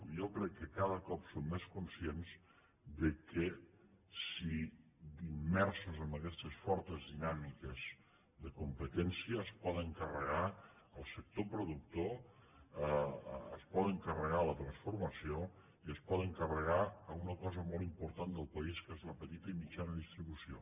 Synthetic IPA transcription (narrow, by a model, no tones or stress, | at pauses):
jɔkɾɛkːəkaðəkɔpsomːeskunsienz | ðəkə | si | d̪imːɛɾsuzəmbəkɛst̪əsfɔɾt̪əzðinamikəz | ðəkumpət̪ɛnsiəːspɔt̪əŋkərəɣa | əlˠsək̚t̪opɾuðuk̚t̪o | ə̰spɔt̪əŋkərəɣalət̪ɾənsfuɾməsio | iəspɔt̪əŋkərəɣaəunəkɔzəmɔlˠimpuɾt̪and̪əlˠpəiskezləpət̪it̪əimid͡ʒanəðist̪ɾiβusio